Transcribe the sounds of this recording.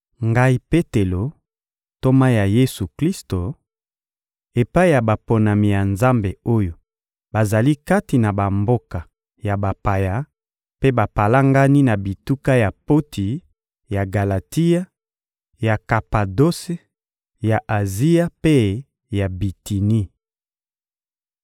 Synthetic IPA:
ŋɡa˦i˦pe˦te˨lo˨ | to˦ma˦ja˨je˦su˨kli˦sto˨ | e˨pa˦i˦ja˨ba˨po˨na˨mi˨ja˨nza˦mbe˨o˦jo˨ | ba˨za˨li˦ka˦ti˨na˨ba˨mbo˦ka˨ | ja˨ba˨pa˨ja˦ | pe˦ba˨pa˨la˦ŋɡa˦ni˦na˨bi˨tu˦ka˦ja˨po˦tʰi˨ | ja˨ɡa˨la˨ti˦ja˦ | ja˨ka˨pa˨do˦se˦ | ja˨ʔa˨zi˦ja˦pe˦ | ja˨bi˨ti˨ni˦

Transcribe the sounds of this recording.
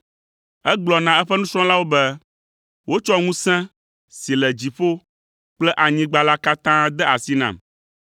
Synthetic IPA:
ɛ˦ɡ͡blɔ˨nã˨ɛ˦ɸɛ˦nũ˦sɾ̃ɔ̃˦la˦wo˦bɛ˦ | wo˦t͡ʃɔ˦ŋũ˦sɛ̃˦ | si˨lɛ˨d͡ʑi˨ɸo˦ | k͡plɛ˦ʔa˨ɲĩ˦ɡ͡ba˦la˦ka˦t̪ã˦d̪ɛ˦a˨si˦nã̰˨m

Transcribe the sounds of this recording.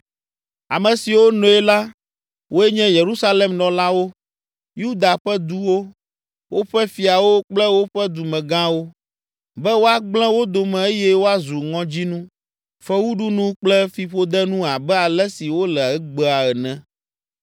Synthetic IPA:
a˨mɛ̃˨si˨wo˦nɔ̃˨ɛ˦la˦ | wo˦ɛ˦ɲɛ̃˦je˨ɾu˦sa˦le˨mnɔ̃˨la˦wo˦ | ju˦d̪a˨ɸɛ˦d̪u˦wo˦ | wʔo˦ɸɛ˦fi˨a˨wo˦k͡plɛ˦wo˦ɸɛ˦d̪u˨mɛ̃˨ɡã˦wo˦ | bɛ˦wo˦a˨ɡ͡blɛ̃˦wo˦d̪o˨mɛ̃˨e˦jɛ˦wo˦a˦zu˨ŋɔ̃˦d͡ʑi˦nũ˦ | fɛ˦wu˦ɖu˦nũ˦k͡plɛ˦fi˨ɸo˦d̪ɛ˦nũ˦a˨bɛ˦a˨lɛ˦si˨wo˦lɛ˨ɛ˦ɡ͡bə˦a˨ɛ˨nɛ̃˦

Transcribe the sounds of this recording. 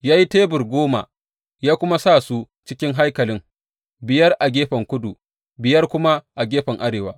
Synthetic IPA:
jaː˦ji˦teː˦bʊ˨rɡʷoː˦ma̰˨ | jaː˦kʷʊ˦ma˦sa˦˨su˦ | t͡ʃɪ˦kʲɪ˦ŋɦa˦jkɐ˨lɪ˦ŋ | bɪ˨jɐ˦rʔa˨ɡʲeː˦ɸɐ˨ŋkʷʊ˦du˨ | bɪ˨jɐ˦rkʷʊ˦ma˦ʔa˨ɡʲeː˦ɸɐ˨ŋʔa˦ɽeː˨wa̰ː˦

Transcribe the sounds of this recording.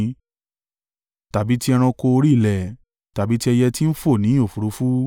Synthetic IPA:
ta˨bi˨˦ti˦ɛ˧ɾ̃ã˧ko˧o˧ɾi˦˨lɛ˨ | ta˨bi˨˦ti˦ɛ˧jɛ˧ti˦n̩˦fo˦˨nĩ˨˦o˦˨fu˨ɾo˨˦fu˦

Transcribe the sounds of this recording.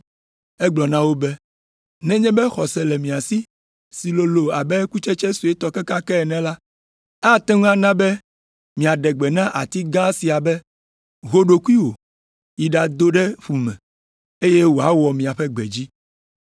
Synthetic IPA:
ɛ˦ɡ͡blɔ˨nã˦wo˦bɛ˦ | nɛ̃˦ɲɛ̃˦bɛ˦xɔ˨sɛ˨lɛ˨mĩ˨a˨si˦ | si˨lo˨lo˨a˨bɛ˦ku˦t͡ʃɛ˦t͡ʃɛ˦su˨e˦t̪ɔ˦ke˦ka˦kɛ˦ɛ˨nɛ̃˨la˦ | a˦t̪ɛ˦ŋũ˦ã˦nã˦bɛ˦ | mĩ˨a˨ɖɛ˨ɡ͡bɛ˨nã˦ʔa˨t̪i˦ɡã˦si˨a˨bɛ˦ | ɣo˦ɖo˨ku˦i˦wo̰˨ | ji˨ɖa˨d̪o˦ɖɛ˦ɸu˨mɛ̃˨ | e˦je˦wo˨a˦wɔ˨mĩ˨a˨ɸɛ˦ɡ͡bɛ̰˨d͡ʑi˦

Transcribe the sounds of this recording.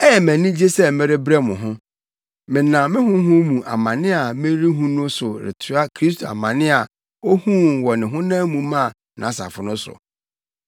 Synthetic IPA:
ɛ˦jɛ˨mæ̃˨nĩ˦d͡ʑe˦sɛ˦mɪ̃˦ɾɪ˦bɾɛ˦mʊ̃˨ɦʊ̃˦ | mɪ̃˨nã˨mɪ̃˦ɦʊ̃˦ɦʊ̃˦mũ˨ʔa̰˨mã˨nɪ̃˦a˨mɪ̃˦ɾi˦ɦũ˦nʊ̃˦sʊ˨ɾɪ̰˨tʰʊ˦a˦kʰɾi˦s̬tʰo˨a̰˨mã˨nɪ̃˦a˨ | o˦hũ˦˨nwɔ˨nɪ̃˨ɦʊ̃˦nãː˦mũ˨mã˦˨ | nã˨˦sa̰˨fʊ˨nʊ̃˦sʊ̰˨

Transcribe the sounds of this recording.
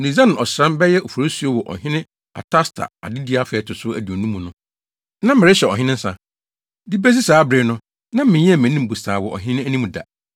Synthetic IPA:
nĩ˨zã˦ñ˨ɔ˨sɾã˦mbɛ˦jɛ˦o˨fo˨ɾo˦su˦o˦wɔ˨ʔɔ̰˨ɦɪ̃˦nɪ̃˦ | a̰˨tʰa˦stʰa̰˨a̰˨dɪ˦di˦a˦fɛː˨˦˨tʰʊ˨sʊ˦æ̰˨di˨o˨nũ˦mũ˨nʊ̃˦ | nã˦mɪ˨ɾɛ˦ɕɛ˨ɔ̰˨ɦɪ̃˦nɪ̃˦n̩˦sã̰˨ | di˦bæ˦sɪ˦saː˨˦bɾɪ˨nʊ̃˦ | nã˦mɪ̃˨ɲĩ˦ɛ˦˨mɪ̃˨nĩ˦m̩˨bu˨saː˨wɔ˨ʔɔ̰˨ɦɪ̃˦nɪ̃˦æ˦nĩ˦mũ˨da̰˨

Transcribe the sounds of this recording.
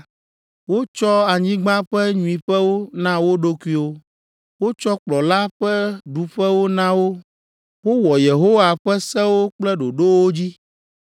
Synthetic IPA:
wo˦t͡ʃɔ˦a˨ɲĩ˦ɡ͡bã˦ɸɛ˦ɲũ˦ĩ˨ɸɛ˦wo˦nã˦wo˦ɖo˦kwi˦o˦ | wo˦t͡ʃɔ˦k͡plɔ˨la˦ɸɛ˦ɖu˨ɸɛ˦wo˦nã˦wo˦ | wo˦wɔ˨je˨ɦo˦wa˨ɸɛ˦sɛ˦wo˦k͡plɛ˦ɖo˨ɖo˦wo˦d͡ʑi˦

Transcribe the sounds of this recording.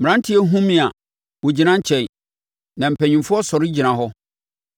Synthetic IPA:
m̩˨ɾã˦n̩˦tʰɪ˦ɛ˦ɦũ˦mĩ˨a˨ | wo˨d͡ʑi˨nã˦ɲ̩˦t͡ɕʰɛ̃˨n˨ | nã˨m̩˨pʰæ˨ɲĩ˨mfʊ˦ɔ˦sɔ˨ɾɪ˦d͡ʑi˨nã˨ɦɔ˦

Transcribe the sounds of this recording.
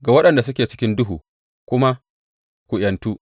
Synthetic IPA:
ɡa˨wɐ˦ɗɐ˨nda˨s̬ʊ˦kʲeː˨t͡ʃɪ̥˦kʲɪ˦ndʊ˦ɦuː˨ | kʷʊ˦ma˦ | kʷu˨ʔj̰ɐ˨ntuː˦

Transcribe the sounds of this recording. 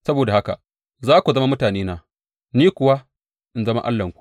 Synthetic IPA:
sɐ˦boː˨da˨ha˦ka̰˨ | zaː˦kʷu˨zɐ˦ma˦mʊ˦taː˨neː˦naː˨ | niː˦kʷʊ˨wa˦ | ʔɪ˨nzɐ˦ma̰˦ʔa̰˦lːɐ˨ŋkʷu̥˨ʔ

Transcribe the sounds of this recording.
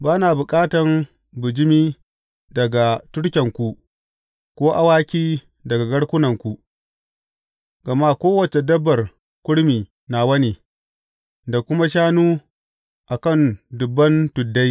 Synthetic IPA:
baː˦naː˨bʊ˨kʼaː˦tɐ˨ŋ | bʊ˨d͡ʒɪ˦miː˦ | dɐ˨ɡa˨tʊ˦ɽkʲɐ˨ŋkʷu˨ | kʷoː˦ʔa˦waː˦kʲiː˦ | dɐ˨ɡa˨ɡɐ˦ɽkʷʊ˦nɐ˨ŋkʷu˨ | ɡɐ˨ma˦kʷoː˦wɐ˨t͡ʃe˨dɐ˦bːɐ˨r | kʷʊ˦ɽmiː˨ | na˨wɐ˦ni˨ | da˨kʷʊ˦ma˦ʃaː˦nuː˦ | ʔa˨kɐ˦˨ndʊ˨bːɐ˦ntʊ˨dːa˦j

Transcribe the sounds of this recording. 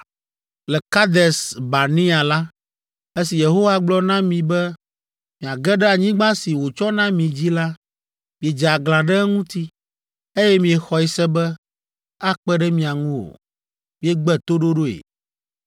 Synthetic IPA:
lɛ˨ka˦d̪ɛ˨sba˨nĩ˦a˨la˦ | e˦si˨je˨ɦo˦wa˦ɡ͡blɔ˦nã˦mĩ˨bɛ˦ | mĩ˨a˨ɡɛ˦ɖɛ˦a˨ɲĩ˦ɡ͡bã˦si˨wo˨t͡ʃɔ˦nã˦mĩ˨d͡ʑi˦la˦ | mĩ˨e˨d͡ʒɛ˨a˨ɡlã˨ɖɛ˦ŋũ˦t̪i˦ | e˦jɛ˦mĩ˨ɛ˨xɔ˨i˦sɛ˦bɛ˦ | a˦k͡pɛ˦ɖɛ˦mĩ˨a˨ŋũ˦o̰˨ | mĩ˨ɛ˨ɡ͡bɛ˦t̪o˦ɖo˦ɖo˦ḛ˨

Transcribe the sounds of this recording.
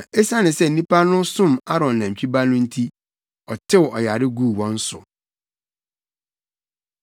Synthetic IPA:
e˦sa˦nɪ̃˨sɛ˦˨n̩˨nĩ˦pʰa˦nʊ̃˦sʊ̃˦˨ma˦ɾɔ̃˨n˨nã˨t͡ɕᶣi˦ba˦nʊ̃˦n̩˦tʰi˦ | ɔ˨tʰɪ˦˨wɔ˨ja˨ɾɪ˦ɡu˦˨wɔ̃˦n̩˦sʊ̰˨

